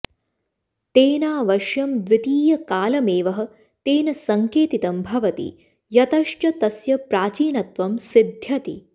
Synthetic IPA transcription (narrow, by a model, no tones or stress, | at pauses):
t̪eːnaːʋɐʃjɐmd̪ʋit̪iːjɐkaːlɐmeːʋɐɦɐ̆ | t̪eːnɐsɐŋkeːt̪it̪ɐmbʱɐʋɐt̪ḭ | jɐt̪ɐʃt͡ʃɐt̪ɐsjɐpɾaːt͡ʃiːnɐt̪ʋɐmsid̪ʱjɐt̪ḭ